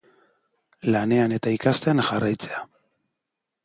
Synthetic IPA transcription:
lane̞ane̞t̪aikast̪e̞anʝarajt͡se̞a

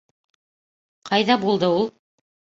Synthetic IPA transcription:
qʰɑjðɑbulˠd̪ɤulˠ

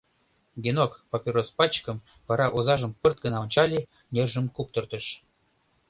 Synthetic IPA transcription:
ɡʲinokpopʲiɾospɑt͡ɕkə̆m | vɑɾɑʔozɑʒə̆mpərt̪̚ɡə̆nɑonʲt͡ɕɑlʲi | nʲerʒə̆mkup̚t̪ɤ̆rt̪ə̆ʃ

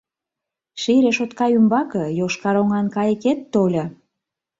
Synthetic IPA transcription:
ʃiɾeʃot̪kɑjymbɑkə̆joʃkɑɾoŋɑnkɑjə̆ket̪ːolʲɤ

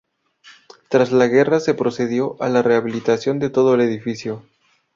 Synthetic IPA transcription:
t̪ɾazlaɣe̞rase̞pɾo̞se̞ðjo̞ʔalare̞aβ̞ilit̪asjo̞nd̪e̞t̪o̞ð̞oele̞ðifisjo̞

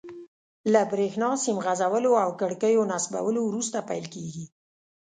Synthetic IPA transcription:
labɾexnɑsimɣazawəloawkəɽkəjonasba̰wəlowɾust̪apajlkeɡi

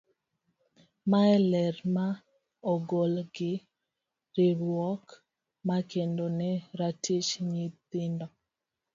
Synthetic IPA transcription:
maɛlɛɾma | ɔɡolɡɪ | ɾeɾwɔk | makendonɛɾatiʃɲit̪ɪndɔ

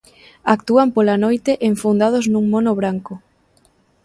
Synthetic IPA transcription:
akt̪uampolanojt̪eʔeɱfund̪að̞ʊoznuŋmonoβɾaŋkʊ

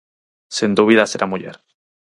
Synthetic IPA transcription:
sind̪uβ̞iðaseɾʔamuʝeɾ

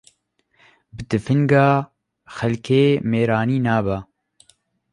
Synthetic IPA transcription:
bɨd̪ɨfɨŋɡaː | xɛlkʰeːmeːɾaːniːnaːba

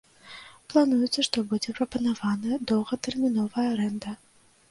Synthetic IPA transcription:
plˠanujut̪sɐʂt̪ɔbud͡zʲɛpɾɐpɐnavanɐd̪ɔwɣɐt̪ɛrmʲinɔvɐjɐɾɛnd̪ɐ

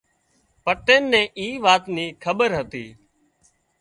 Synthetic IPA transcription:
pəʈeːnːẽːʔiːʋaːt̪niːkʰəɓəɾɦət̪iː

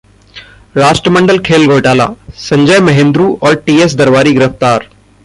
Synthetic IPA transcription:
ɾaːʃʈɾəmə̃ɳɖəlkʰeːlɡoːʈaːla̰ːsɐ̃ɲd͡ʒəjmɐɦẽːnd̪ɾuːɔːɾʈiːes̬d̪ɐɾʋaːɾiɡɪɾəft̪aːɾ

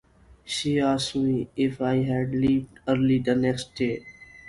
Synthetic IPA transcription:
ʃiːasmiɪfajɦæɖliːvɖəɾlidənɛksteː

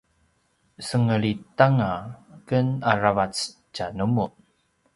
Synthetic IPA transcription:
səŋəɭitaŋakənaravat͡st͡ʃanumun

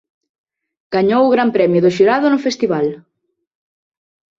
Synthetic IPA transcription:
ɡ̥aɲowʊɣɾampɾɛmjʊðʊʃiɾaðʊnʊfest̪iβal

